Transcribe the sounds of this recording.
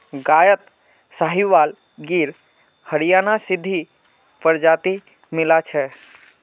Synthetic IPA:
ɡaːjət̪ | saɦiʋaːl | ɡiːɾ | həɾijaːnasɪd̪ʱːi | pəɾd͡ʒaːt̪i | mɪlat͡ʃʰɛ

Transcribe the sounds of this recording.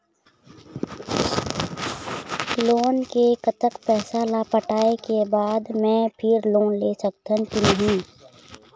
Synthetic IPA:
loːnkekət̪əkpɛːsalaːpəʈaːekebaːd̪mɛ̃ːpʰɪɾloːnleːsɐkt̪ə̃nk̪inəɦĩː

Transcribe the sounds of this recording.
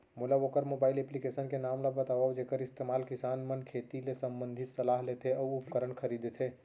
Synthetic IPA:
mulaokəɾmobaːɪleplikesənkenamlabət̪aʋawd͡ʒekəɾɪst̪emaːlkisaːnmənkʰet̪ilesəmbənd̪ʱit̪səlaːɦlet̪ʰeɔuupkəɾəɳkʰəɾid̪et̪ʰe

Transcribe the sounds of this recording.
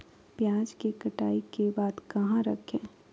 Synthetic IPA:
pjãːd͡ʒkekɐʈa̰ːikebaːd̪kɐɦãɾɐkʰẽː

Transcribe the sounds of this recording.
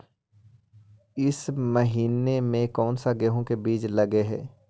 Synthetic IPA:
ɪsməɦiːnemẽkɔːnsaɡeɦõkebiːt͡ʃlɐɡeɦɛ̰ː

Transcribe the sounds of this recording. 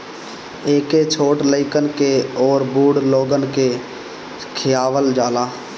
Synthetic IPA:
eːket͡ʃʰoːʈləɪkənkeɔːɾbuːɽloːɡənke | kʰɪjaːʋəld͡ʒaːlaː

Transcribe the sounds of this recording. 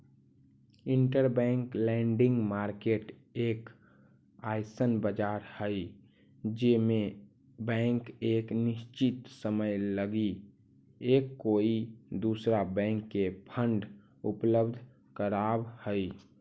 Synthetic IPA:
ɪɳʈəɾbɛ̃ːŋklɛ̃ɳɖɪ̃ŋɡmaːɾkeʈeːk | aːɪsənbəd͡ʒaːɾhəi | d͡ʒemẽ | bɛ̃ːŋkeːknɪst͡ʃɪt̪səməjləɡi | eːkːoːid̪uːsɾabɛ̃ːŋkːepʰə̃ɳɖ | ʊpləbd̪ʱ | kəɾaːbhəi

